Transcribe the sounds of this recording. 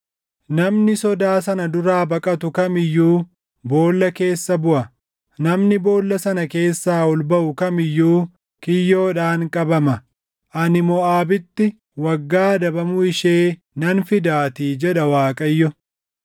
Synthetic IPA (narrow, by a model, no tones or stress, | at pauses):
nɐmnɪsɔd̪aːsɐnɐd̪ʊɾaːbɐkʼɐt̪ʊkɐmɪjːuː | bo̞ːlːɐke̞ːsːɐbʊʔɐ | nɐmnɪbo̞ːlːɐsɐnɐke̞ːsːaːɔlbɐʔʊkɐmɪjːuː | kɪjːo̞ːᶑaːŋkʼɐbɐmɐ | ʔɐnɪmɔaːbɪt̪ːɪ | wɐɡːaːd̪ɐbɐmʊɪʃeː | nɐnfɪd̪aːt̪iːd͡ʒɛᶑɐwaːkʼɐjːɔ